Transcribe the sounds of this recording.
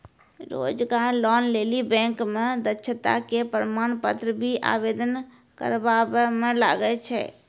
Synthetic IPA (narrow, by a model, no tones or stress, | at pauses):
ɾo̰d͡ʒɡaɾlɔnlelibɛ̃ŋkmed̪ətːt͡ʃʰət̪a̰kepɾəmanpət̪ɾəbʱiʔa̰bed̪ən | kə̰ɾbabɛmela̰ɡɛt͡ʃʰɛ̰